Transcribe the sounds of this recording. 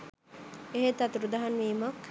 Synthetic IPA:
eɦet̪at̪uɾud̪aɦanʋiːmak

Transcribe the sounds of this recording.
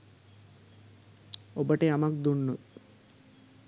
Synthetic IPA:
obəʈəamak̚d̪unːə

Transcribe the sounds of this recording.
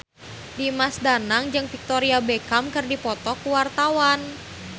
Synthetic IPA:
dimasdanaŋd͡ʒɨŋfik̚t̪oɾiabekamkɨrdipɔt̪ɔkuwart̪awan

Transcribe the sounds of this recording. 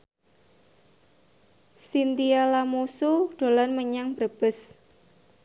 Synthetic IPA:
sint̪ialamusuɖ̥o̤lanməɲaŋbɾəb̥ə̤s

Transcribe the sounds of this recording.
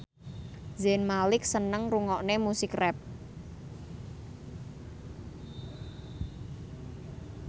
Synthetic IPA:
zɛnmalɪk̚sənəŋruŋɔʔnemusɪkrɛp̚

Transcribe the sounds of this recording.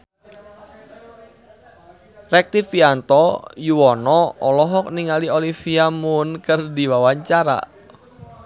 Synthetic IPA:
rɛk̚t̪ifiant̪ɔjuwɔnɔɔlɔɦɔk̚niŋaliolifiamʊnkərdiwawaɲt͡ʃaɾa̰

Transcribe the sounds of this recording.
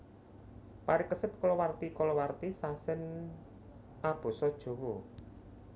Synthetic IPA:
paɾɪkəsɪt̪̚kɔlɔwart̪ikɔlɔwart̪isasɪn | ʔab̥o̤sɔd̥ʒ̥o̤wɔ

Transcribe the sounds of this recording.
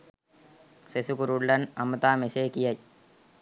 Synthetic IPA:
sesukuɾuɭːɐnɐmɐt̪aːmeseːkijɐj

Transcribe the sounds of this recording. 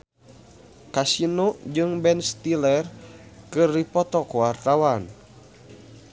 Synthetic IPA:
kasinod͡ʒɨŋbɛnst̪ilɛrkɨrdipɔt̪ɔkowart̪awan

